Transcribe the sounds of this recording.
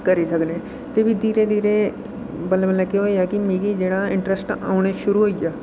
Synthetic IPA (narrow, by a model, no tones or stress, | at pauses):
kəɾiːsəkneː | t̪eːbid̪iːɾeːd̪iːɾe | bəlebəlɛːkeɦoːiaːkɪmẽːɡid͡ʒeːɽaːɪ̃ɳʈɾəsʈa̰ːʊɽ̃eːʃʊɾuːɦoːijaː